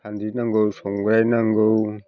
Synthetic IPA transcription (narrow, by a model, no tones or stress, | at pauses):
andinaŋɡowsoŋɡɾajnaŋɡow